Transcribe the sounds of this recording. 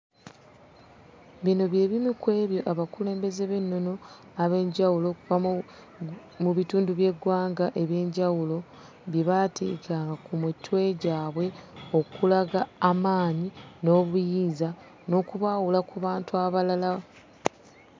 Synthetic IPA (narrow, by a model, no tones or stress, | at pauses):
βino̞βje̞ːβimikwe̞ːβjo̞ʔaβakule̞ːmbe̞ze̞βe̞nːo̞no̞ | aβe̞ːɲɟawulo̞kuva | muβituːnduβje̞ɡwaːŋɡaʔe̞βje̞ːɲɟawulo̞ | βjeβatʰeːkaːŋɡakumutʰːwe̞ɟaːβwe̞o̞kulaɡaːmaːɲino̞ːβujiːza | no̞ːkuβaːwulakuβaːntuaβalala